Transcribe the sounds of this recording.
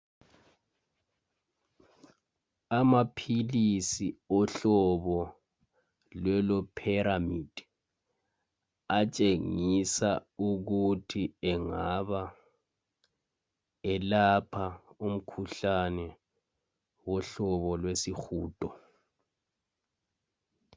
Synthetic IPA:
amapʰilisiɔɬɔβɔ | lwɛlɔpʰɛɾamid̥ʱi | at͡ʃʼeŋisauɣutʰiɛŋaβa | ɛlapʰaum̩kʰuɬanɛ | wɔɬɔβɔlwesixuːd̥ʱʼɔ

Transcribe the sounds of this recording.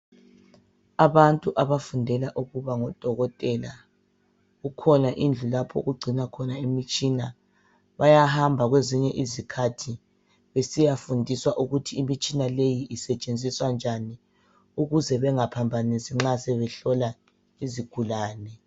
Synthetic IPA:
aβantʼuʔaβafundʱɛlaʔuɣuβaŋɔd̥ʱɔɣɔtʼɛla | ɣukʰɔnaʔind͡ɮʱulapʰɔ̰ɣuɡ͡ǀʱinakʰɔnaemit͡ʃʼina | βajahambʱaɣweziɲɛʔizikʰatʰi | βesijafundʱiswaʔuɣutʰiːmit͡ʃʼinalejiʔisɛt͡ʃʼend͡zʱiswand͡ʒʱani | uɣuzɛβɛŋapʰambʱanisiŋ͡ǁasɛβɛɬɔla | iziɡ̥ʱulaːnɛ

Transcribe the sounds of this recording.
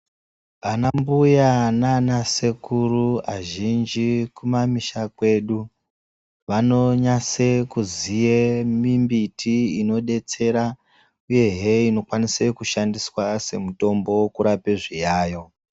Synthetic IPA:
ʋanambujananase̞kuruaʒind͡ʒikumamiʃakwe̞ːɗu | ʋano̞ɲasekuzijemimbitʰiino̞ɗe̞t͡se̞ɾa | uje̞ɦeino̞kwanise̞kuʃandiswase̞muto̞mbo̞kuɾapeʐijaːjo̞

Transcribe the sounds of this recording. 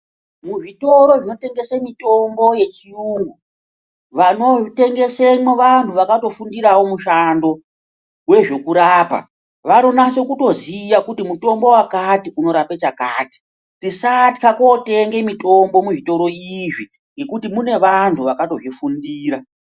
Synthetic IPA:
muʐito̞ɾo̞ʐino̞te̞ŋɡe̞samito̞mbo̞je̞t͡ʃiuːŋɡu | ʋano̞te̞ŋɡe̞seeʋantʰuʋakato̞fundiɾawo̞muʃando̞ | we̞ʐe̞kuɾaːpa̰ | ʋano̞naso̞kuto̞ziʋakutimuto̞mbo̞wakatiʔuno̞ɾapet͡ʃakaːti̥ | risatkako̞te̞ŋɡe̞mito̞mbo̞muʐito̞ɾo̞iʐi | ŋɡe̞kutimune̞ʋantʰuʋakato̞ʐifundiːɾa

